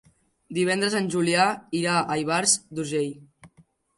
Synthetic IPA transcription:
d̪iβ̞ɛnd̪ɾəzənʲʒuliaiɾaəjβaɾzd̪uʒej

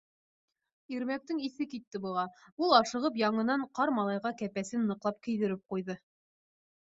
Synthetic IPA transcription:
iɾmæk̚t̪ɘŋiθɘkit̪ːɘbɤ̆ʁɑulˠɑʃɤ̆ʁɤp̬jɑɴɤ̆nɑɴqɑɾmɑlˠɑjʁɑkæpæsɘnːɤ̆qlˠɑp̚kɘ̆jðɘ̆ɾɘp̚qujðɤ

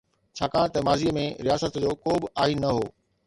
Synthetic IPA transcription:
t͡ɕʰaːkaːɽ̃t̪ɐmaːziəmẽɾijaːsət̪d͡ʑoːkoːbɪaːɦinɐɦoː

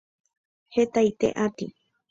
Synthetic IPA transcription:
het̪ajt̪ḛʔat̪i

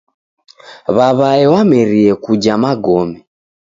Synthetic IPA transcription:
βaβaɛwamɛɾiɛkud͡ʒamaɡɔmɛ

